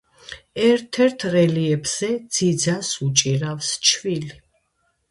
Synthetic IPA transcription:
ɛɾt̪ʰɛɾt̪ʰɾɛliɛbz̥ɛd̪z̥id̪zasut͡ʃʼiɾafst͡ʃʰvili

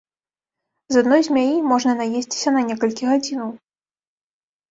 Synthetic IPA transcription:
zad̪nɔjzʲmʲajimɔʐnɐnajesʲt͡sʲi̥sʲɐnɐnʲɛkɐlʲkʲiɣad͡zʲinɐw

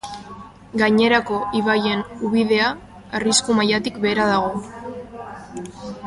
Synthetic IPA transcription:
ɡaɲe̞ɾako̞ʔiβaje̞nuβið̞e̞a | ariskumajat̪ikbe̞ːɾað̞aɣ̞o̞

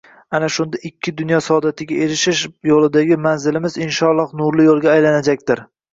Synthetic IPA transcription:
anaʃʊnd̪aʔɪkʲʰːɪd̪ʊnjɒsɒd̪at̪ʰɪɡʲae̞ɾɪʃɪʃjolˠɪd̪aɡʲɪmanzɪlɪmɪzɪnʃɒlˠːɒhnʊɾlɪjolˠɡʲaːjlanad͡ʒak̚ʲt̪ɪɾ

